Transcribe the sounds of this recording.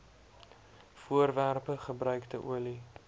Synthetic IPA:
fuərværpəχəbrœɥkdəʔuəli

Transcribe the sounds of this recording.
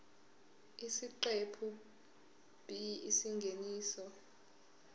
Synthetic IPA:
isiǃepʰu | b̥ʱiisiŋɡʱeniːsɔ

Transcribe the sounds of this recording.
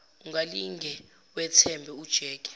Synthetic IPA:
uŋaliŋɡʱɛ | wɛtʰɛmbʱɛud̥ʒ̥ʱɛːkʼɛ̥

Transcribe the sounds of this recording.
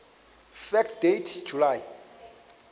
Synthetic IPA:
fɛktʰdetʰd͡ʒʱulai

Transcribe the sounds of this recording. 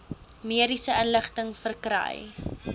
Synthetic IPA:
miədisəənləχtəŋfərkɾə̰j

